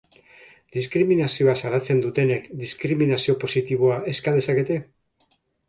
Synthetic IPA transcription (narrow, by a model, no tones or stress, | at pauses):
d̪iskɾiminasio̞asaɾat͡se̞nd̪ut̪e̞ne̞kd̪iskɾiminasio̞po̞sit̪iβ̞o̞ae̞skaðe̞sake̞t̪e̞